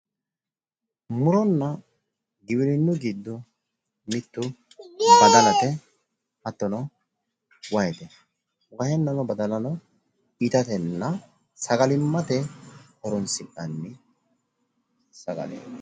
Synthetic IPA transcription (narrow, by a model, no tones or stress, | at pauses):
mʊɾɔnːɐ | ɡɪwɪɾɪnːʊɡiːd̪ːʊ | mɪt̪ːʊ | bɐd̪ɐlɐt̪ɛ | hɐt̪ːɔnɔ | wɐjɛt̪ɛ | wɐhɛnːɐnɔbɐd̪ɐnɐnɔ | ɪt̪ɐt̪ɛnːɐ | sɐɡɐlɪmːɐt̪ɛkɔɾɔnsɪkʼːɐnːɪ | sɐɡɐ̰lḛː